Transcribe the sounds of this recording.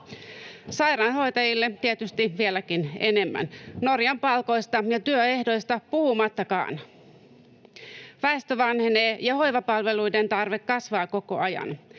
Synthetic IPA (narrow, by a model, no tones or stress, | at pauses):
sɑjɾɑːnho̞jt̪ɑjilːet̪iet̪yst̪iʋielækinḛne̞mːæ̰nno̞rjɑmpɑlko̞jst̪ɑjɑt̪yøe̞hdo̞jst̪ɑpuhumɑt̪ːɑkɑ̰ːn | ʋæest̪øʋɑnheneːjɑho̞jʋɑpɑlʋe̞lujde̞nt̪ɑrʋe̞kːɑsʋɑːko̞ko̞̰ɑjɑ̰n